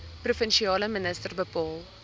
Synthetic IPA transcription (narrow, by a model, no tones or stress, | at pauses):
prufənʃiɑːləmənəstərbəpɑːlˠ